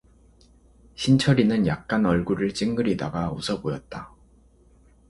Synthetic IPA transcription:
ɕʰint͡ɕʰʌɾinɯnjak̚k͈anʌɭɡuɾɯɭt͡ɕ͈iŋɡɯɾidaɡaṵsʰʌbojʌt̚t͈a

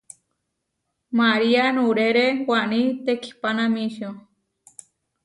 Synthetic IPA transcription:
maɾianũɾeɾewanĩt̪ekʰi̥panãmĩʃo

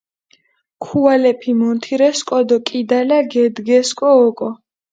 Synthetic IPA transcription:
kʰualɛpʰimɔnt̪ʰiɾɛskʼɔd̪ɔkʼid̪alaɡɛd̪ɡɛskʼɔːkʼɔ

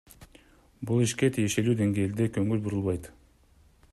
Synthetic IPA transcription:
bulˠiʃke̞t̪ʰije̞ʃe̞lyːd̪e̞ŋɡe̞ːld̪e̞kø̞ŋɡylbuɾulˠβɑjt̪

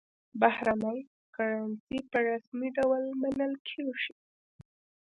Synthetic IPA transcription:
bahɾanaj | kaɾansipəɾasmiɖawlmanəlkʰeʒi

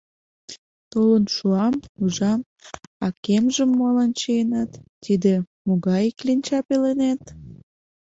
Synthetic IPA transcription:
t̪olənʃuɑmuʒɑm | ɑkemʒəmːolənt͡ɕijenɑt̪ːid̪e | moɣɑjklinʲt͡ɕɑpelenet̪

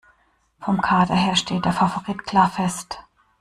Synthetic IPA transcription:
fɔmkʰaːdɐ̰ɦeːɐʃtʰeːt̚d̥eːɐfafoʁiːtkʰl̥aːɐfɛst

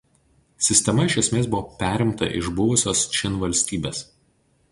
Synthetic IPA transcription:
sʲɪsʲt̪ʲɛmɐɪʃʲɐsʲmʲeːsbʊʋoːpʲæːɾʲɪmt̪ɐ̰ʔɪ̰ʒbʊʋʊsʲoːst͡ʃʲɪnʋɐlʲsʲt̪ʲiːbʲeːs

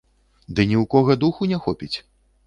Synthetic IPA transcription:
d̪ɨnʲiwkɔɣɐd̪uxunʲɛxɔpʲit͡sʲ

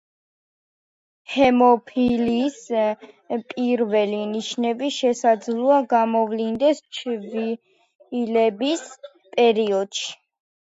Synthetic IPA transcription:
hɛmɔpʰilis | pʼiɾvɛliniʃnɛbiʃɛsad̪zlˠuaɡamɔvlind̪ɛst͡ʃʰvi | ilɛbis | pʼɛɾiɔd̪̥ʃi̥

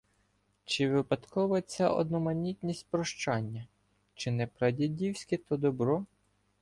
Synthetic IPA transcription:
t͡ʃɪʋɪpɐt̪kɔʋɐt͡sʲaʔɔ̰d̪nɔmɐnʲit̪ʲnʲisʲt̚ʲpɾɔʃt͡ʃɑnʲːɐ | t͡ʃɪnɛpɾɐdʲidʲiwsʲkɪt̪ɔd̪ɔbɾɔ

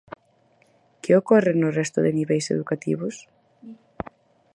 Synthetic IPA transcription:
keokɔrenʊrɛst̪ʊðeniβɛjsḛðukat̪ḭβʊs

